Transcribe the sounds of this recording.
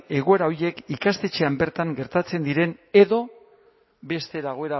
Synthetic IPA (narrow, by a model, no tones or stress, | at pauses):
e̞ɣ̞o̞e̞ɾao̞ɾje̞kikast̪e̞t͡ʃe̞ambe̞ɾt̪aŋɡe̞ɾt̪at͡se̞nd̪iɾe̞ne̞ðo̞ | be̞st̪e̞ðaɣ̞o̞e̞ɾa